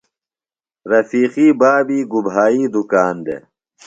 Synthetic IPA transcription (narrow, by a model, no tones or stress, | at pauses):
ɾɐfiːqiːbaːbiːɡubɦaːiːd̪ukaːnd̪ḛ